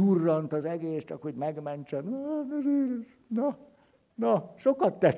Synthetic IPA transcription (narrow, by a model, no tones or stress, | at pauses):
urːɒnt̪ɒzɛɡeːst͡ʃɒ̰khoɟmɛɡmɛnt͡ʃɛnnɛzeːɾɛz | nɒ | nɒʃo̞kɒt̪ːɛ